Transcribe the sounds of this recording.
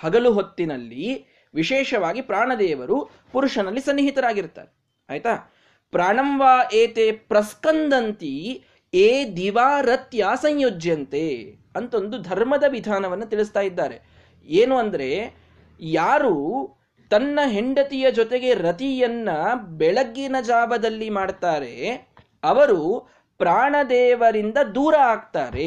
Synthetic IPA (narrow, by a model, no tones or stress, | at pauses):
hɐɡɐluɦot̪ːinɐlːi | ʋiʃɛːʂɐʋaːɡipɾaːɳɐd̪ɛːʋɐɾu | puɾuʂɐnɐlːisɐnːiɦit̪ɐɾaːɡiɾt̪a̰ːɾe | ɐjt̪aː | pɾaːɳɐmʋaːʔeːt̪eːpɾɐskɐnd̪ɐnt̪i | eːd̪iʋaːɾɐt̪jaːsɐɲjod͡ʒjɐnt̪eː | ɐnt̪o̞nd̪ud̪ʱɐɾmɐd̪ɐʋid̪ʱaːnɐʋɐnːɐt̪iɭist̪aːjid̪ːaːɾe̞ | eːnuɐnd̪ɐɾe̞ | jaːɾuː | t̪ɐnːɐɦeɳɖɐt̪ijɐd͡ʒɔt̪e̞ɡe̞ɾɐt̪ijɐnːɐbɛɭɐɡːinɐd͡ʒaːbɐd̪ɐlːimaːɖt̪aːɾe̞ | ɐʋɐɾu | pɾaːɳɐd̪ɛːʋɐɾind̪ɐd̪uːɾɐaːɡ̚t̪aːɾe